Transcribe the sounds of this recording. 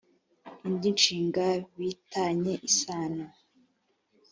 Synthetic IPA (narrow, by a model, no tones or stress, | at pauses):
iɲɟinʃiːŋɡaβitaɲe̞ʔisaːna